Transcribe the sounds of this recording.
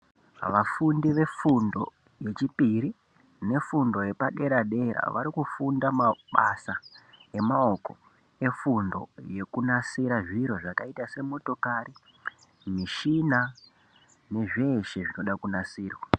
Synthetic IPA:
ʋafundiʋe̞fundo̞̰ | je̞t͡ʃipiɾi | ne̞fundo̞je̞paɗe̞ɾaɗe̞ɾa̰ʋa̰ɾikufundamaɓasae̞mao̞ko̞̰ | e̞fundo̞̰je̞kunasiɾaʐiɾoʐakaitase̞mo̞to̞kaɾi | miʃina | ne̞ʐe̞ːʃe̞ʐino̞ɗakunasiːrwa

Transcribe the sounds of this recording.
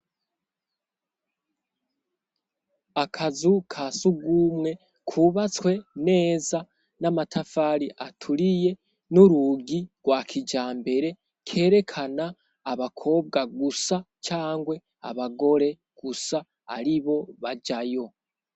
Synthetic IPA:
akʰazukʰasuɡuːmŋe̞ | kʰuβat͡swe̞ne̞ːza | namatʰafaːɾiʔatʰuɾije̞ | nuɾuɡiɡwaːkʰid͡ʒaːmbe̞ɾe̞ | kʰe̞ːɾe̞kʰanaː | βakʰo̞ːb̚ɡaɡusa | t͡ʃaːŋɡwe̞ | a̰βaɡo̞ɾe̞ | ɡ̥usa̰ː | ɾiβo̞βaɟajo̞

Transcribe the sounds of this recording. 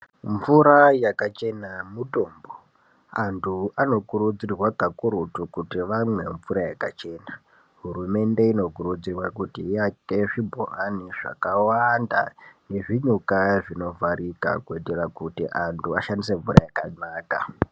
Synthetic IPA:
ɱvuɾajakat͡ʃe̞namuto̞ːmbo | antʰuano̞kuɾud͡zirwakakuɾutukutiʋamwe̞ɱvuɾajakat͡ʃe̞ːna | ɦurume̞nde̞ino̞kuɾud͡zirwakutiːjateʐibʱo̰ʔaniʐa̰kawanda̰ne̞ʐiɲukaʐino̞vaɾika̰kueterakutiʔantʰuaʃandise̞ɱvuɾa̰jakanaːka̰

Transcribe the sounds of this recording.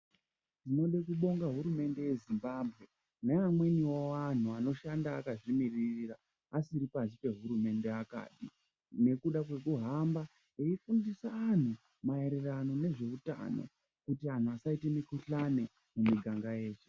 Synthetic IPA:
tino̞ɗekuɓo̞ŋɡaɦuɾume̞nde̞je̞zimbaːbʱɣe̞ | neamwe̞niwowan̤uano̞ʃandaːkaʐimiririra | asiɾipasipe̞ɦuɾume̞nde̞aka̰ːɗi | ne̞kuɗakwe̞kuɦamba | eifundisaːn̤u | mae̞ɾerano̞ne̞ʐe̞uta̰no̞̰ | kutian̤uasaite̞mikuɬane̞ | mumiɡʱaŋɡajeːt͡ʃe̥

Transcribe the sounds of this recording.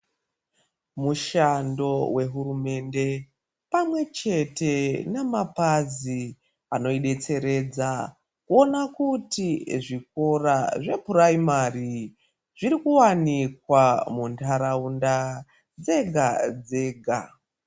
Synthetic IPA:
muʃando̞we̞ɦuɾume̞nde̞ | pamwe̞t͡ʃe̞te̞namapazi | ano̞iɗe̞t͡se̞ɾe̞d͡za | kuo̞nakutiʐik̚o̞raʐe̞puraimari | ʐ̥iɾikuwanik̚wamuntaɾaunda | d͡ze̞ɡʱad͡ze̞ːɡʱa

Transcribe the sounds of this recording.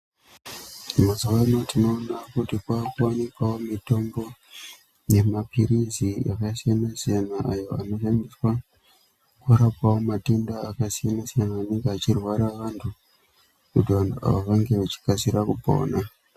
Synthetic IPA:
mazuʋano̞tino̞ːnakutikwakuwanikwawomito̞mbo̞ | ne̞mapʰiɾizia̰kasijanasijanaʔajo̞ano̞ʃandiswa | kuɾapwawomatundaːkasijanasijanaːneŋɡeat͡ʃirwaɾaʋantʰu | utiʋantua̰ʋaʋaŋɡe̞ʋat͡ʃi̥kasiɾakubʱo̰na

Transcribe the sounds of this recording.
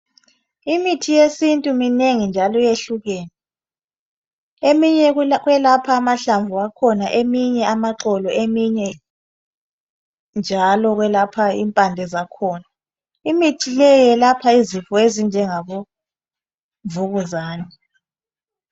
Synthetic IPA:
imitʰijesintʼumineŋind͡ʒʱalɔjeɬuɣeːnɛ | emiɲɛɣwɛlapʰaːmaɬaɱvuakʰɔnaʔemiɲɛʔamaǁɔlɔemiɲɛ | nd͡ʒʱalɔɣwɛlapʰaḭːmpʼandʱɛzakʰɔːna | imitʰilɛɛlapʰaizifɔezind͡ʒʱɛŋaβo | ɱvuɣuzaːnɛ

